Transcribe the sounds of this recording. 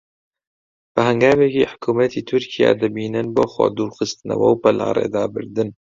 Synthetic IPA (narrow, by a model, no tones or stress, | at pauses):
b̥ɨhæŋɡaːvɛkiːħʊ̥kʰuːmɐt̪ʰiːt̪ʰʊɾkʰija̰ːd̪ɨbiːnɨnboːxʷa̰d̪uːɾxɨst̪ɨnɐ̰wɐwpɐlʔa̰ːɾḛːd̪ɑːbɨɾd̪ɨn